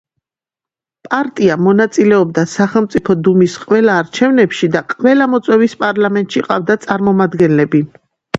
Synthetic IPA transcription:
pʼaɾt̪ʼiamɔnat̪sʼilɛɔbd̪asaχɛlˠmt̪sʼipʰɔd̪umisqʼwɛlaːɾt͡ʃʰɛvnɛpʃid̪aqʼvɛlamɔt̪sʼwɛvispʼaɾlamɛnt̪ʼʃiqʼavd̪at̪sʼaɾmɔmad̪ɡɛnlɛbi

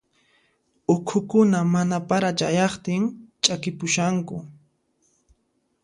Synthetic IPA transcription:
ʊkʰʊkʊnamanapaɾat͡ʃajɑχt̪ɪŋt͡ʃʼakɪpʊʃaŋkʊ

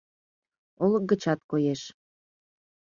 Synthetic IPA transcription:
ol̚ɡət͡ɕɑt̪̚kojeʃ

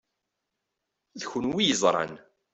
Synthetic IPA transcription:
ðçʊnwijəzˤɾˤɑ̰n

